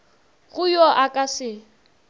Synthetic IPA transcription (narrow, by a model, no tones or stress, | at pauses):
ɣʊjɔʔakʼasɪ